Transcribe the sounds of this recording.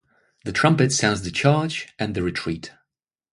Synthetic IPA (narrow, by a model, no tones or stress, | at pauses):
ðɨtʰɹ̥ʌ̃mpɨtsãʊ̃zðɨt͡ʃʰɑɹd͡ʒɨ̃nðɨɹɨtʰɹ̥it